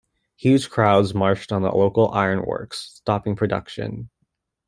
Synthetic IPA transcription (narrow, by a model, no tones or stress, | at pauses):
hjʉd͡ʒ̥kʰɹ̥aʊdzmɑɹt͡ʃtn̩ðə̰loʊkl̩ˠa̰ɪə̃˞nwɜ̰˞ksstɑpɪ̃ŋpʰɹ̥ɨdʌ̰kʃɨ̰̃n